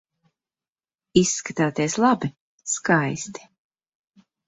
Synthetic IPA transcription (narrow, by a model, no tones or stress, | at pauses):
isːkat̪aːt̪iɛslˠabi | skajst̪i̥